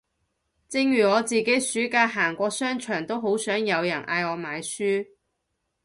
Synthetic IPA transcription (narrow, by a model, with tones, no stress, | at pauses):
t͡sɪ˧ŋjyː˨˩ŋɔː˨˧t͡siː˨˩ke˨˥jsyː˨˥kaː˧ɦaː˨˩ŋkʷɔː˧sœː˥ŋt͡ʃʰœː˨˩ŋt̪o˥wɦo˨˥wsœː˨˥ŋjɐ˨˧wjɐ˨˩nʔa̰ː˧jɔː˨˧maː˨˧jsyː˥